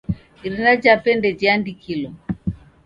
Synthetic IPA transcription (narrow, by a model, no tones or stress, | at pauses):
iɾinad͡ʒapɛndɛd͡ʒiandikʰilɔ